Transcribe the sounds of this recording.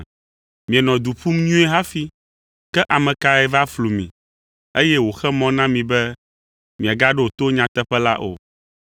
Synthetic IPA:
mĩ˨ɛ˨nɔ̃˨d̪u˨ɸu˦mɲũ˦ɛ˦ɦa˦fi˦ | kɛ˦ʔa˨mɛ̃˨ka˦ɛ˦˨va˦flu˨mĩ˨ | e˦jɛ˦wo˨xɛ˦mɔ̃˦nã˦mĩ˨bɛ˦ | mĩ˨a˨ɡa˦ɖɛ˦o˨t̪o˦ɲã˨t̪ɛ˦ɸɛ˦la̰˦ʔo̰˨

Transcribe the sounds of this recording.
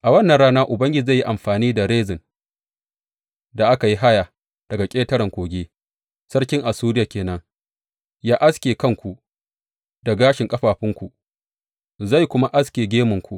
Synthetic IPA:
ʔa˨wɐ˦nːɐ˨nɽaː˦naː˦ʔʊ˨bɐ˦ŋɡʲɪ˦˨za˦˨ji˦ʔa˨mɸaː˨niː˦da˨ɽeː˦zɪ˨n | da˨ʔa˦ka˨ji˦ɦa˦ja˨ | d̥ɐ˨ɡa˨kʲʼeː˦tɐ˦ɾɐ˨ŋkʷoː˨ɡʲeː˦ | sɐ˦ɽkʲɪ˦ŋʔa˨suː˦ɾɪ˦jaː˨kʲeː˨nɐ˦ŋ | jaː˦ʔa˦skʲeː˨kɐ˦˨ŋkʷu˨ʔ | da˨ɡaː˦ʃɪ˨ŋkʼɐ˦ɸaː˨ɸɪ˦ŋkʷu˨ | za˦˨jkʷʊ˦ma˦ʔa˦skʲeː˨ɡʲeː˦mʊ˨ŋkʷu˨ʔ

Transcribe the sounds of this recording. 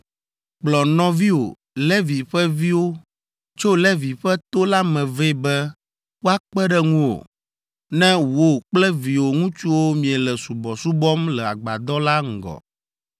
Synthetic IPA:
k͡plɔ˨nɔ̃˦vi˦wo̰˨ | lɛ˦vi˨ɸɛ˦vi˦wo˦ | t͡ʃo˦lɛ˦vi˨ɸɛ˦t̪o˦la˦mɛ̃˨ve˦bɛ˦ | wo˦a˦k͡pɛ˦ɖɛ˦ŋũ˦wo̰˨ | nɛ̃˦wo˦k͡plɛ˦vi˨wo˨ŋũ˦t͡ʃu˦wo˦mĩ˨ɛ˨lɛ˨su˨bɔ˨su˦bɔ˦mlɛ˨a̰˨ɡ͡ba̰˨d̪ɔ˦la˦ŋ̩˨ɡɔ̰˨

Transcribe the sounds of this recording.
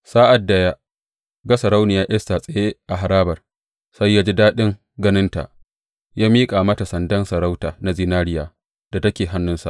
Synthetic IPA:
saː˦ʔa˨dːɐ˦jaː˦ | ɡa˦sɐ˨ɾa˦wnɪ˨jaː˦ʔɪ˦sta˨sʼɐ˨je˦ʔa˨ɦa˨ɾaː˦bɐ˨r | sa˦jːaː˦d͡ʒi˦daː˦ɗɪ˦ŋ | ɡɐ˦nɪ˦nta̰˨ʔ | jaː˦miː˦kʼaː˨mɐ˦ta˨sɐ˨ndɐ˦nsɐ˨ɾa˦wtaː˨na˨zi˦naː˦ɾɪ˦jaː˨ | d̥a˨tɐ˦kʲeː˨ɦa˦nːʊ˦nsa̰˨ʔ

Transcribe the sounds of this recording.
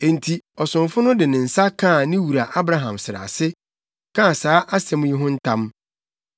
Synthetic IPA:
ẽ˨n̩˨tʰi˨ɔ˨sʊ̃˨mfʊ˦nʊ̃˦dɪ˨nɪ̃˨n̩˨sa˦kʰã˦˨nɪ̃˦wu˨ɾa˨ʔa˦bɾa˦ɦã˨msɪ˨ɾa̰˨sɪ˦ | kʰã˦˨saː˨˦ʔa˦sɛ̃˦m̃˦ji˦ɦʊ̃˦n̩˦tʰã˦m

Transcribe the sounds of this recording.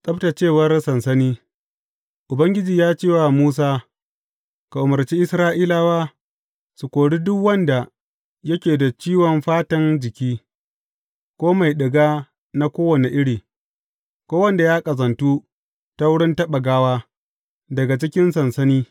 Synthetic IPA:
sʼɐ˦bta˨t͡ʃeː˦˨wɐ˦rsɐ˨nsɐ˦niː˦ | ʔʊ˨bɐ˦ŋɡʲɪ˦d͡ʒiː˨jaː˦t͡ʃeː˦˨wa˨muː˦s̬aː˦ | ka˨ʔʊ˨mɐ˨rt͡ʃiː˦ʔɪ˦sɾaː˦ʔiː˦laː˦waː˦ | su˨kʷoː˨ɽiː˦dʊ˦kwɐ˦nda˨ | jɐ˦kʲeː˨da˨t͡ʃiː˦wɔ˨mɸaː˦tɐ˦nd͡ʒɪ˨kʲiː˦ | kʷoː˦ma˨jɗɪ˨ɡaː˦ | na˦kʷoː˦wɐ˨ne˨ʔɪ˦ɽiː˨ | kʷoː˦wɐ˦nda˨jaː˦kʼɐ˨zɐ˨ntu˦ | ta˦wʊ˦ɽɪ˦ntɐ˦ɓa˨ɡaː˦waː˦ | dɐ˨ɡa˨t͡ʃɪ˦kʲɪ˦nsɐ˨nsɐ˦niː˦

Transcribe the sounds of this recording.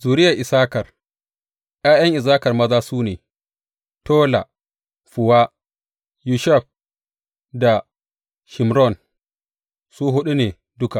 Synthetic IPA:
zuː˨ɾɪ˦ja˨ʔɪ˨saː˦kɐ˨r | ʔj̰aː˦jɐ˦ŋʔɪ˨zaː˦kɐ˨rmɐ˦zaː˦suː˦neː˨ | toː˦la̰˨ | ɸu˨wa˦ | ju˨ʃa˦˨ɸ̚ | da˨ | ʃɪ˨mɾɔ˦˨n | suː˦ɦʊ˦ɗu˦neː˨ | dʊ˦ka˨ʔ

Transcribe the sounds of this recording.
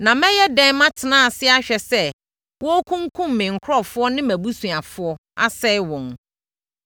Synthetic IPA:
nã˨mɛ̃˦jɛ˦dɛ̃˦n˦mã˦tʰɪ˨nãː˦a˨sɪ˦a˦ɕᶣɛ˨sɛ˦ | wɔ˦kʰũ˦ŋ˦kʰũ˦m̩ː˨ɪ̃˨ŋ̩˨kʰɾɔ˦fʊ˦ɔ˦nɪ̃˦mæ̃˨bu˦sũ˨a˨fʊ˨˦ɔ˦a̰˦sɛ˦ɪ˦wɔ̃˨n

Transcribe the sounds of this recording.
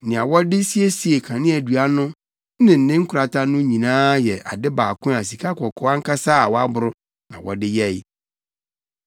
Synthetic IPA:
nɪ̃˨a˨wɔ˦dɪ˦si˦e˦si˨e˨kʰã˨nɪ̃˦æ˨du˨a˦nʊ̃˦ | nɪ̃˨n̩˨nɪ̃˦ŋ̩˦kʰʊ˨ɾa˨tʰã˦nʊ̃˦ɲĩ˨nãː˦jɛ˨ʔa̰˨dɪ˦baː˨kʰʊ̃˦a˨s̬i˨kʰa˦kʰɔ˨kʰɔ˦a˦ŋ̩˦kʰa˦saː˦˨wɔ˦a˦bʊ˦ɾʊ˦ | nã˨wʔɔ̰˨dɪ˦jɛ˦˨ɪ˦

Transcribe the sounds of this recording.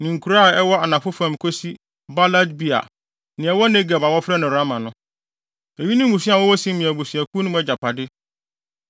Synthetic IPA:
nĩ˨ŋ̩˨kʰu˨ɾa˦˨ɛ˦wɔ˦a˨nã˨fʊ˦fã˨m˨kʰo˦si˦ | ba˦la˦dbi˦a̰˨ | nɪ̃˨ɛ˨wɔ˦nẽ˦ɡɛ˨ba˨wɔ˦fɾɛ˦nʊ̃˨ɾa˦mã˨nʊ̃˦ | e˨ɥi˦nʊ̃˦m˦mũ˨si˦a˨wɔ˦wɔ˦sĩ˦mɪ̃˨æ˨bo˨si˨æ˨kʰu˦nʊ̃˦mɛ˦d͡ʑa˨pʰa˨dɪ˦

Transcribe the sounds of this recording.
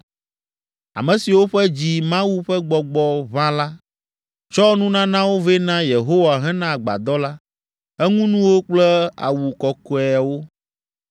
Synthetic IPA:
a̰˨mɛ̃˨si˨wo˦ɸɛ˦d͡ʑi˨mã˦wu˦ɸɛ˦ɡ͡bɔ˨ɡ͡bɔ˨βã˦la˦ | t͡ʃɔ˦nũ˦nã˦nã˦wo˦ve˦nã˦je˨ɦo˦wa˨ɦɛ̃˦nã˦˨ɡ͡ba̰˨d̪ɔ˦la˦ | ɛ˦ŋũ˦nũ˦wo˦k͡plɛ˦a̰˨wu˨kɔ˨kɔ˨ɛ˨a˨wo˦

